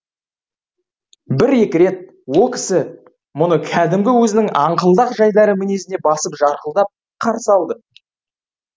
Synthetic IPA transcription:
bɪɾe̞kʲɪɾe̞t̪̚ | wo̞lˠkʲʰɪ̥sɪ | mʊnəkʲʰæd̪ɪmɡʲɪwɵzɪnɪŋɑɴqəlˠd̪ɑqʒɑjd̪ɑɾəmɪne̞sɪne̞bɑsəpʒɑɾqəlˠd̪ɑp̚ | qʰɑɾsəɑlˠd̪ə

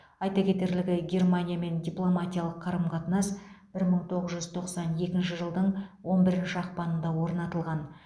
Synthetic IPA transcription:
ɑjt̪ɑkʲʰe̞t̪e̞ɾlɪɡʲɪɡʲe̞rmanʲijame̞nd̪ʲijplˠo̞mat̪ʲijalˠəqʰːɑɾəmqʰɑt̪ənɑsb̥ɪɾməɴt̪ʰo̞ʁəzʒʏzt̪ʰo̞qsɑne̞kʲɪnʃɪʒəlˠd̪əɴwo̞nbɪɾɪnʃɪɑqpɑnənd̪ɑwo̞ɾnɑt̪əlˠʁɑn

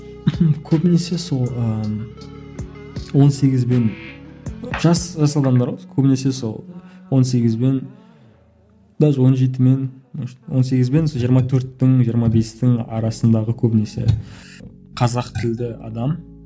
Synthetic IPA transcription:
h̩kʲʰɵbɪne̞se̞so̞lˠə | wo̞nse̞ɡʲɪzbe̞n | ʒ̥ɑsʒɑsɑd̪ɑmd̪ɑɾwɑkʲʰɵbɪne̞se̞so̞̰lˠwo̞ns̬e̞ɡʲɪzbe̞n | d̪ɑzwo̞nʒe̞t̪̬ɪme̞nwo̞nse̞ɡʲɪzbe̞nsoʒijəɾmɑt̪ʰɵɾt̪ːɪŋʒijəɾmɑbe̞st̪ɪŋɑ̰ɾɑsənd̪ɑʁəkʲʰɵbɪne̞se̞̰ | qʰɑzɑqt̪ʰɪld̪ɪɑ̰d̪ɑm

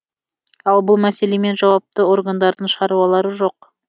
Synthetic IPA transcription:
ɑlˠbʊlˠmæse̞leme̞nʒɑwɑp̚t̪əo̞ɾɡand̪ɑɾd̪əɴʃʁɑɾuwɑlˠɑɾəʒo̞q̚

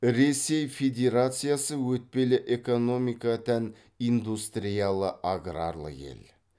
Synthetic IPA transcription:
ɾe̞se̞jfe̞d̪ʲe̞ɾat̪sɨjasəwɵt̪̚pe̞lɪʔe̞ko̞no̞mikat̪æn | ind̪ust̪ɾijalˠəʔaɡɾa̰rlˠə̰jḛl

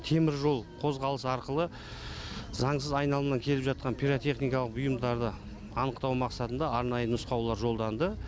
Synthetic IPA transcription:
t̪ʰe̞mɪɾʒo̞lˠqʰo̞zʁɑlˠəsɑɾqəlˠə | zɑɴsəzɑjnɑlˠəmnɑŋkʲʰe̞lɪpʒɑt̪̚qɑnpʰʲijɾot̪ʲe̞χnijkɑlˠəqbʊjəmd̪ɑɾd̪ə | ɑnəqt̪ɑwmɑqsɑt̪ənd̪ɑːɾnɑjənʊsqɑwlˠɑɾʒo̞lˠd̪ɑnd̪ə

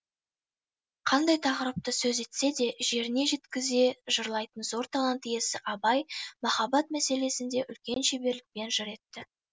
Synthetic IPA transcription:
qʰɑnd̪ɑjt̪ʰɑqəɾəp̚t̪əsɵze̞t̪se̞d̪e̞ʒe̞ɾɪne̞ʒe̞t̪kʲɪze̞ʒəɾlˠɑjt̪ənzo̞ɾt̪ʰɑlˠɑnt̪je̞sɪʔɑbɑjmɑχɑbɑt̪̚mæse̞le̞sɪnd̪e̞ʔʏlkʲe̞nʃebe̞ɾlɪk̚pe̞nʒʏɾe̞t̪ːɪ

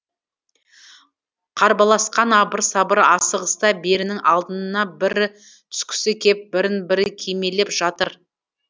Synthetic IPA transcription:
qʰɑɾbɑlˠɑsqɑnɑbəɾsɑbəɾɑsəʁəst̪ɑbe̞ɾɪnɪŋʔɑlˠd̪ənənɑbɪɾ | t̪ʰʏ̥skʲʰʏ̥sɪkʲʰe̞p̚bɪɾɪnbɪɾɪkʲʰeme̞le̞pʒ̥ɑt̪əɾ

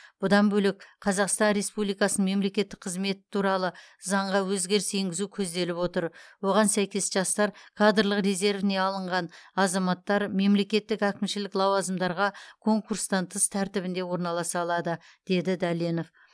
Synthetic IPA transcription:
b̥ʊd̪ɑnbɵlɪk̚qʰɑzɑqst̪ɑnɾe̞spublijkɑsənəɴme̞mle̞kʲe̞t̪ːɪk̚qʰəzme̞t̪ɪ̥t̪ʰuɾɑlˠə | zɑɴʁɑwɵzɡʲe̞ɾɪse̞ŋɡʲɪzukʲʰɵzd̪e̞lɪpwo̞t̪əɾwo̞ʁɑnsæjkʲe̞sʒɑst̪ɑɾkʰad̪əɾlˠəqɾe̞ze̞ɾvɪne̞ɑlˠəɴʁɑnɑzɑmɑt̪ːɑɾme̞mle̞kʲe̞t̪ːɪkækʲɪmʃɪlɪklˠɑwɑzəmd̪ɑɾʁɑkʰo̞ŋkuɾst̪ɑnt̪ʰəst̪ʰæɾt̪ɪβbɪnd̪e̞wo̞ɾnɑlˠɑsɑːlˠɑd̪əd̪̥e̞d̪ɪd̪ɑleno̞f

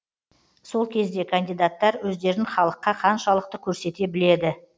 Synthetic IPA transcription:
so̞lˠkʲʰe̞zd̪e̞kʰand̪ijd̪at̪ːɑɾwɵzd̪e̞ɾɪnχɑlˠəqːɑqʰɑnʃɑlˠəq̚t̪əkʲʰɵɾse̞t̪e̞bɪle̞d̪ɪ

